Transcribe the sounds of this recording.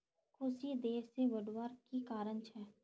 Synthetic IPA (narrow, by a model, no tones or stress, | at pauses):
kʰʊsid̪eːseʋɐɖwaːɾkikaːɾənt͡ʃʰɛː